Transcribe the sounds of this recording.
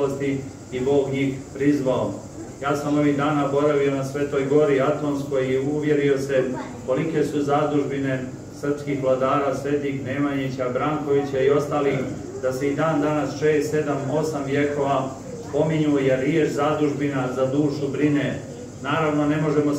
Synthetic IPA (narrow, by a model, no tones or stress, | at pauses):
ost̪i | ibo̞ːɡɲiːxpɾizʋao | jaːsamo̞ʋiːɣd̪aːnaobo̞ɾaʋio̞nasʋe̞t̪o̞jɡo̞ɾiat̪o̞nsko̞jjeuʋje̞ɾio̞se̞ | ko̞like̞suzaːd̪uʒbine̞ | sr̩pskiːxʋlˠad̪aːɾaːsʋe̞t̪ixne̞maɲit͡ɕabɾaːŋko̞ʋit͡ɕaio̞st̪aːlix | d̪aseid̪aːnd̪anasʃe̞ːst̪se̞d̪amo̞samʋje̞ko̞ʋa | spo̞miɲujeɾːjet͡ʃzaːd̪uʒbinazad̪uːʃubɾine̞ | naːɾaʋno̞ne̞mo̞ʒe̞mo